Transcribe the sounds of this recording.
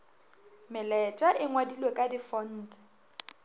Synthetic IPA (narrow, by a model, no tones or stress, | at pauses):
mɪlɛt͡ʃʼaʔɪŋwadilwekʼadifɔn̩ːtʼɛ̥